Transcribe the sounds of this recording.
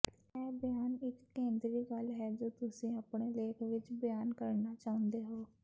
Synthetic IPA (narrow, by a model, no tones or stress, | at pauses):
ɛːbəjaːnɪkːẽːnd̪ɾiːɡəlɦɛːd͡ʒoːt̪ʊsĩːəpɳeːleːkʰʋɪt͡ʃbəjaːnkəɾnaːt͡ʃaːʊ̃nd̪eːɦoː